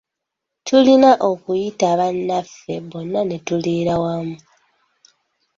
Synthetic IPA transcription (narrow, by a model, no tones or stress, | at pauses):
tʰulinaʔo̞kujitaβanːafːe̞βo̞nːane̞tuliːɾawamu